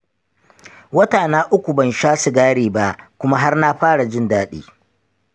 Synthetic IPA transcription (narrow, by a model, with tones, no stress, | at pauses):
wɐ˦taː˨naː˦ʔʊ˦kʷu˨bɐ˨nʃaː˦su˨ɡaː˦ɽiː˨ba˦ʔkʷʊ˦ma˦ɦa˦rna˦ɸaː˦ɽa˨d͡ʒɪ˦ndaː˦ɗḭː˦